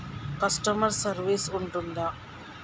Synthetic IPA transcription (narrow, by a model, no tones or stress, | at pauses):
kɐsʈɐmɐɾsɐɾʋisuɳʈund̪ɐ